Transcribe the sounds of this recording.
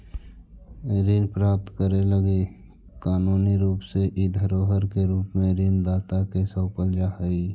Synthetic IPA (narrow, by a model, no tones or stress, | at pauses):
ɾiːnpɾaːp̚t̪kəɾeləɡi | kaːnuːniɾuːpseʔid̪ʱəɾoːɦəɾkeɾuːpmẽɾiːnd̪aːt̪akesəwpəld͡ʒaɦəiː